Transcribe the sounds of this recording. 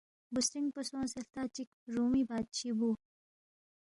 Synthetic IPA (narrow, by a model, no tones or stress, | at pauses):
busʈiŋɡpɐsõːsɐft̪aːt͡ɕikɾuːmibaːt̪̚t͡ɕʰibuː